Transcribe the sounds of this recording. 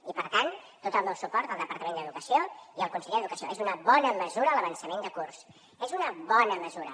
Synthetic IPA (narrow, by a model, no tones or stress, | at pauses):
ipəɾt̪ant̪ːot̪əlˠnəlwˠsupɔɾt̪əlˠd̪əpəɾt̪əmend̪əðukəsioiəlˠkunsəʎeəðukəsioezunəβɔnəməzuɾələβənsəmend̪əkurs | ezunəβɔnəməzuɾə̰